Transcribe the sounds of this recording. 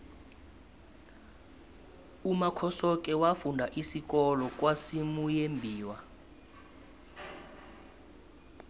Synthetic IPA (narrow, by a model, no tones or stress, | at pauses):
umakʰɔsɔk̬ʼɛwafundʱaʔisikɔlɔk̬ʼwasimujembʱiːwa